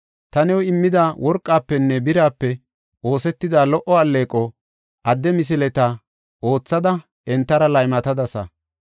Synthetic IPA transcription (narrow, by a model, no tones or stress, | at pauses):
t̪ɐnɛwɪmːɪd̪aːwɔɾkʼːaːpːɛnːɛbɪɾaːpːɛ | o̞ːsɛt̪ːɪd̪aːlɔʔɔɐlːe̞ːkʼːɔ | ʔɐd̪ːɛmɪs̬ɪlɛt̪a | ʔo̞ːt͡sːɐd̪ɐ | ɛnt̪ːɐɾɐlɐjmɐt̪ɐd̪ɐsɐ̰